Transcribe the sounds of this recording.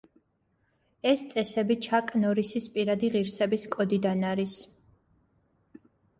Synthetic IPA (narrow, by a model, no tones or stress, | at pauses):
ɛst̪sʼɛsɛbit͡ʃʰakʼnɔɾisispʼiɾad̪iʁiɾsɛbiskʼɔd̪id̪anaɾis